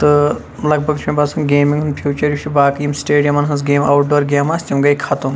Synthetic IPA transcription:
t̪ɨ | lɐɡbʱɐɡt͡ʃʰmʲebɐsɐnɡeːmĩŋɡunpʰjuːt͡ʃɐɾjiʃʰibaːkɐjimsʈeːɖijɐmɐnɦɐnzɡeːma̰wʈ̚ɖoːɾɡʲeːmaːsʲt̪ʲimɡɐjkʰat̪um

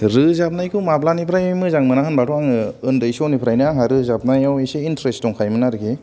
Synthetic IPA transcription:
ɾɯzap̚najkʰɯmaplanipʰɾajmajmɯzaŋmɯnahɯnbatʰɔaŋɯɯndɯjsonipʰɾajnɯaŋɦaɾɯzap̚najaweseintɾesttɔŋkʰajmɯnaɾɯɡʰe

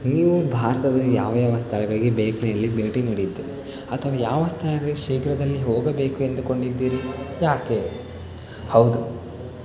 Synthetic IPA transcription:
niːʋubʱaːɾɐt̪ɐd̪ɐjaːʋɐjaːʋɐst̪ʰɐɭɐɡɐɭiɡebeːklinɐlːibeːʈiniːɽid̪ːe | ɐt̪ʰɐʋɐjaːʋɐst̪ʰɐɭɐɡɐɭɡeʃiːɡɾɐd̪ɐlːiɦoːɡɐbe̞ːkue̞nd̪uko̞ɳɖid̪ːiːɾijaːke | hɐwd̪u

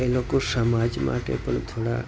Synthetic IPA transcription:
elokosəmad͡ʒma̰ʈḛpəɳt̪ʰoɽa̰

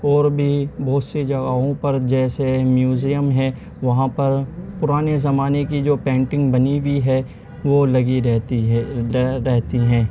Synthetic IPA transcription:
ɔːɾbʱibɔːt̪sed͡ʒɐɡaːɦõpɐɾd͡ʒɛːsemjuːzijəmɦɛ̃ | ʋɐɦãpɐɾpʊɾaːnezɐmaːnekid͡ʒoːpɛ̃ːɳʈɪ̃ŋɡbɐniʋiɦɛ | ʋoːlɐɡiɛ | ɾɛɦt̪iɦɛ̃ː

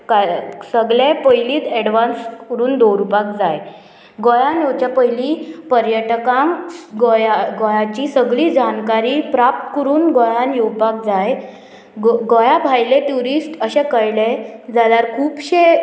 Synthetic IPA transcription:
kasəɡɭẽpəjliːt̪ɛɽʋanskəɾuːnd̪oɾupak̚d͡zaj | ɡojanjowt͡ɕjapəɦjlipəɾjəʈkãŋɡojaɡojat͡ɕisəɡɭiːd͡ʑankaɾiːpɾap̚t̪kəɾuːnɡojanjowpak̚d͡zaj | ɡojabʱajleʈuɾisʈəɕẽkəjled͡zalaɾkʰuːpɕe

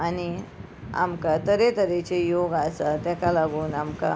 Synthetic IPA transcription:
ani | a̰mkat̪əɾet̪əɾet͡ɕejoɡasat̪jakalaɡuːnamka̰

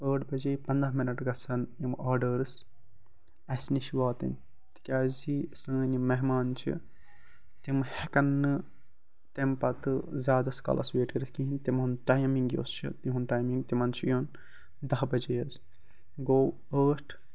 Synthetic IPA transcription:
əːʈʰbɐd͡ʒeːpɐnd̪ɐɦminɐʈɡɐsɐnimaːɾɖəɾɨs | ɐsniʃiʋaːt̪ḭn | t̪i̥kʲaːzisɨːnimɛɦmaːnt͡ʃʰḭ | t̪imhekɐnːɨ | t̪empɐt̪ɨzʲaːd̪ɐskɐ̰lʔɐ̰sʋeːʈəɾɨskiɦint̪imuntajmiŋɡjo̰ːst͡ʃʰḭt̪iɦunʈaːjmiŋɡt̪imɐnt͡ʃʰijon | d̪ɐɦbɐd͡ʒeːɐz | ɡoːw | əːʈʰ

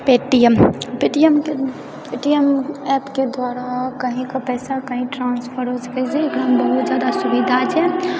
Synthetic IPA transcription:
peʈijəmpeʈijəmke | peʈijəmɛpked̪waɾakəɦĩkəpɛsakəɦĩʈɾanspʰəɾɦosə̥kɛt͡ʃɛekɽaɦmbəɦut̪d͡ʒjad̪asubid̪ʱat͡ʃʰɛ

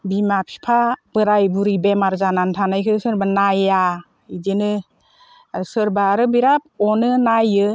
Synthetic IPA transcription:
bimapʰi̥pʰab̥ɯɾajbuɾibemaɾzanantʰanajkʰɯsɯɾbanaja | idenɯ | sɯɾbaːɾɯbiɾap̚ɔnɯnajɯ

